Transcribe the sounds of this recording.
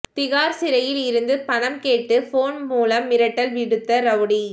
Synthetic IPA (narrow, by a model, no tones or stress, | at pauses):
t̪ɪɣaːɾsɪɾɐjɪlɪɾɯnd̪ɯpɐɳɐmkeːʈːɯfoːnmuːlɐmːɪɾɐʈːɐlʋɪɽɯt̪ːɐɾɐʋɽi